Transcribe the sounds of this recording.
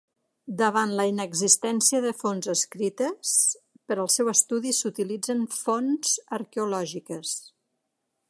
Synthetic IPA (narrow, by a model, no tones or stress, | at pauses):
d̪əβanləinəɡzist̪ɛnsiəðəfonzəskɾit̪əs | pəɾəlˠsɛwəst̪uðisut̪ilid͡zənfonz̥əɾkeulɔʒikəs